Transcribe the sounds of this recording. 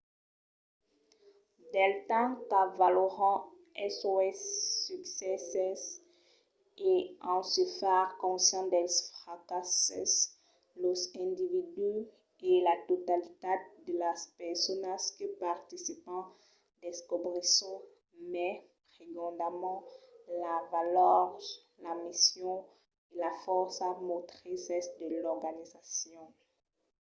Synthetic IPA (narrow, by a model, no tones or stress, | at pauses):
d̪ɛlt̪ɑ̃kavaloʁɑ̃ | ɛsoɛsːyksɛsɛs | eɑ̃səfɛʁkɔ̃sjɑ̃d̪ɛsfʁakasɛs | lɔzɛ̃d̪ivid̪y | elat̪ot̪alit̪ad̪əlaspɛʁsɔnaskəpaʁt̪isipɑ̃ | d̪̥ɛskɔbʁesɔ̃ | mɛpʁeɡɑ̃d̪amɑ̃lavalœʁ | lamisjɔ̃ | elafɔʁsamɔt̪χisɛsd̪əlɔʁɡanizasjɔ̃